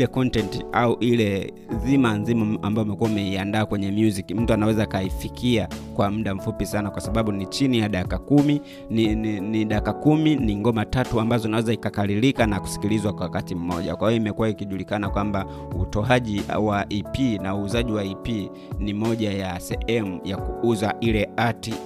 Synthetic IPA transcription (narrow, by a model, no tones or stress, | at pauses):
lɛkɔntɛntiauʔilɛ | zimanzimaambajɔumɛkuwaumɛiandaːkwɛɲɛmjuzikim̩tuanawɛzakaifikʰiakwam̩ɗam̩fupisanakwasaɓaɓunit͡ʃinijaɗakakumi | niɗakakuminiŋɡɔmatatuambazɔinawɛzaikakalilikanaku̥si̥kilizwakwawakatim̩mɔʄa̰kwahijɔimɛkuwaikiʄulikanakwamba | utɔaʄḭwaʔipinauːzaʄiwaipi | nimɔʄajasɛhɛmujakuuzaʔilɛati